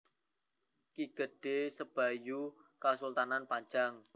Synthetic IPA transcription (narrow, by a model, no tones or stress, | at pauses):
kiɡ̥əɖ̥esəb̥a̤jukasult̪ananpaɲd͡ʒaŋ